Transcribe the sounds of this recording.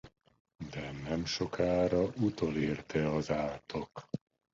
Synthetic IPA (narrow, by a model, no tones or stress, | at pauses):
d̪ɛnɛmʃo̞kʰaːɾɒʔut̪oleːrt̪ʰɛɒzaːt̪ʰo̞k